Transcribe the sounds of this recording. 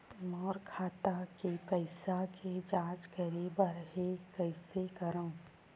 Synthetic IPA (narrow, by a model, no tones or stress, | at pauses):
mɔːɾkʰaːt̪akepəɪsakʰed͡ʒaːd͡ʒkəɾebəɾɦekəɪsekɐɾãː